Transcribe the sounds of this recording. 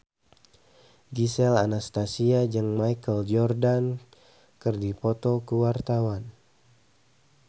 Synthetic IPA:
ɡisɛla̰nast̪asiad͡ʒɨŋmajkəld͡ʒɔrdan | kərdipɔt̪ɔkəwart̪awan

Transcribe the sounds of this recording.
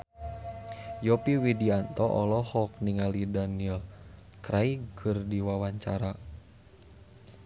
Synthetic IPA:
jɔpiwidiant̪ɔʔɔlɔhɔk̚niŋalidanil | kɾaikɨrdiwawaɲt͡ʃaɾa

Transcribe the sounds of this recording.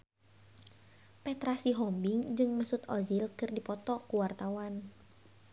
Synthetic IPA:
pɛt̪ɾasiɦɔmbɪŋd͡ʒɨŋməsʊt̪ɔzilkɨrdipɔt̪ɔkuwart̪awan

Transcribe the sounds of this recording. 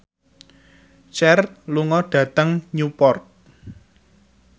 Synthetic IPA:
t͡ʃɛrluŋɔɖ̥ä̤t̪əŋɲupɔrt̪̚

